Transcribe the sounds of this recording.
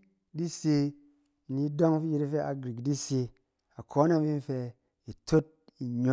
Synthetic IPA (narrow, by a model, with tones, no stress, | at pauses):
di˦se˧˨ | ni˨˦do˦ŋ˦fi˦ji˧˦ɾi˦fe˦ʔa̰˨ɡɾi˨kdi˦se˧ | a˨kʰo˨˦na˦m˦vi˦n̩˦fe˧ | i˨to˦t̚i˨ɲo˨